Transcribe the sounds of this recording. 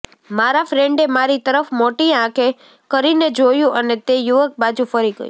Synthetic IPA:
maɾafɾẽɳɖemaɾit̪əɾəfmoʈiãkʰe | kəɾined͡ʒojũʔənet̪ejuʋək̚bad͡ʒũfəɾiɡə̰j̰

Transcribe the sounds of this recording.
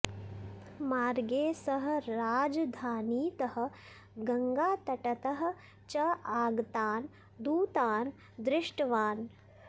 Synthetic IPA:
maːɾɡeːsɐɦɐ̆ɾaːd͡ʒɐd̪ʱaːniːt̪ɐhɐ̆ | ɡɐŋɡaːt̪ɐʈɐt̪ɐɦɐ̆ | t͡ʃɐaːɡt̪aːn | d̪uːt̪aːn | d̪ɾɪʂʈɐʋaːn

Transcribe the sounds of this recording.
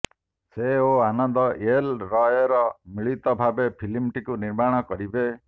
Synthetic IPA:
seoanɔnd̪ɔʔelɾɔjɔɾɔmiɭit̪ɔbʱabepʰilimʈikuniɾmaɽ̃ɔkɔɾibe

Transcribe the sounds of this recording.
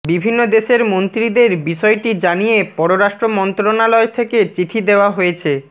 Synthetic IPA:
bibʱinːod̪eʃeɾmont̪ɾid̪eɾbiʃɔeʈid͡ʑanijepɔɾoɾaʃʈɾomɔnt̪ɾonalɔet̪ʰeket͡ɕiʈʰid̪eoaɦojet͡ɕʰe

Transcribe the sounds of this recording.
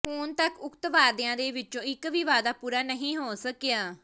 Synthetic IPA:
hʊːnt̪əkʊkt̪ʋaːɾd̪ɪãːd̪eːʋɪt͡ʃõːɪkʋiːʋaːd̪aːpuːɾaːnəɦĩːɦoːsəkejaː

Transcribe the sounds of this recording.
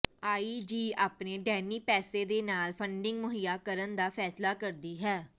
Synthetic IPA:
aːiːd͡ʒiːaːpneːɖɛːniːpɛːseːd̪eːnaːlpʰəɳɖɪŋɡmʊɦijaːkəɾənd̪aːpʰɛːslaːkəɾd̪iːɦɛː

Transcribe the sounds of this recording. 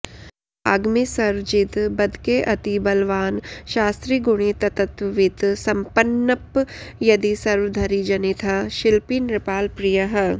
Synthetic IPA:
aɡmisɐɾʋd͡ʒit̪bɐd̪ʱkeʔɐt̪ibɐlʋaːnʃaːst̪ɾiɡʊɽ̃it̪ɐt̪ɐt̪ʋit̪sɐmpənːɐpjɐd̪isɐɾʋd̪ʱɐɾid͡ʒɐnit̪ʰɐʃɪlpinɾɪpaːlpɾijɐɦ̆

